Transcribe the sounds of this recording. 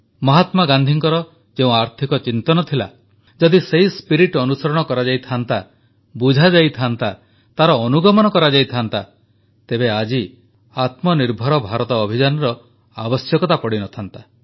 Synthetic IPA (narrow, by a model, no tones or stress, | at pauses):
mɔɦat̪maɡand̪ʱiŋkɔɾɔ | d͡ʒeũaɾt̪ʰikɔt͡ʃint̪ɔnɔt̪ʰila̰ | d͡ʒɔd̪iseispiɾiʈɔnusɔɾɔɽ̃ɔkɔɾad͡ʒajt̪ʰant̪a | bud͡ʒʱad͡ʒajt̪ʰant̪a | t̪aɾɔːnuɡɔmɔnɔkɔɾad͡ʒajt̪ʰant̪a | t̪ebead͡ʒi | at̪mɔniɾbʱɔɾɔbʱaɾɔt̪ɔːbʱid͡ʒanɔɾɔ | abɔsjɔkɔt̪apɔɽinɔt̪ʰant̪a